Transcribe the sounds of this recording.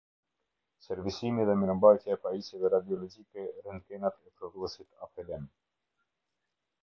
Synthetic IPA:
sɛɾvisimiðɛmɛɾəmbajt̪jaɛpaisɛðɛɾad̪iɔlɔd͡ʒikɛɾɛnkɛnat̪ɛpɾɔðuɛsit̪a̰pɛlɛn

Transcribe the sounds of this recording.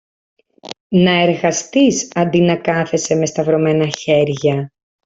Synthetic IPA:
nɐe̞ɾɣɐst̪isɐnd̪inɐkɐθe̞se̞mest̪ɐvɾo̞me̞nɐçe̞ɾʝɐ

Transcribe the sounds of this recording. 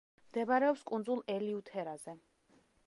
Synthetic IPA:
md̪ɛbaɾɛɔpskʼund̪zulˠɛliut̪ʰɛɾazɛ

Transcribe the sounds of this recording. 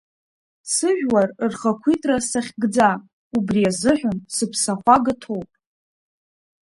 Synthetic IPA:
sɨʒᶣwarrχakʷʰitʼrasaχʲɡd͡za | ubriazɨħʷᶣʊnsɨpʰsaχʷaɡɨtʰo̞wpʼ

